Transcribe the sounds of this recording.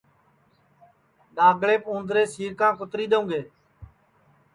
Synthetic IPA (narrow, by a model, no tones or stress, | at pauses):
ɗaːɡɭeːpõːnd̪ɾeːsiːɾkãːkʊt̪ɾiːɗ̪əũːɡeː